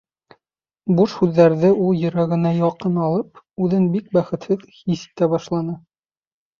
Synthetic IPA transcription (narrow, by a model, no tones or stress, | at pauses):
buʃhʉðːæɾðɘʔulˠjɤ̆ɾɑɡɘ̆næjɑqɤnɑlˠɤp̚ | ʉðɘnbik̚bæχɘ̆t̪hɘð | isi̥t̪ːæbɑʃlˠɑnɤ